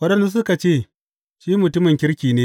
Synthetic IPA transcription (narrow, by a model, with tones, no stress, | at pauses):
wɐ˦ɗɐ˦nzu˦s̬ʊ˦ka˨t͡ʃeː˦˨ | ʃiː˦mʊ˨tʊ˦mɪ˨ŋkʲɪ˦ɾkʲiː˨neː˦